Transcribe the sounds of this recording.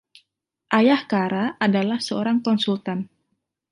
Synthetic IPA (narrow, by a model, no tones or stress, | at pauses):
ʔajahkaɾaʔadalahsəoɾaŋkɔnsult̪an